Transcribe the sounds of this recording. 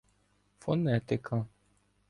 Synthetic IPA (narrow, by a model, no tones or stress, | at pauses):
fonɛt̪ɪkʰa